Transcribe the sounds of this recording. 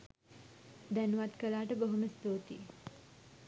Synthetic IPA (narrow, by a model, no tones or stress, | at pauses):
d̪ænuʋat̪kəlaːʈəboɦuməst̪oːt̪i